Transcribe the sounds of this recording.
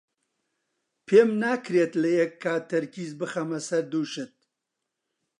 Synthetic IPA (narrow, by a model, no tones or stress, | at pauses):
pʰeːmnaːkɾeːt̪lɐjɛkʰːaːt̪ʰɐɾkiːzbɨχɐmɐsɐɾd̪uːʃɨt̪̚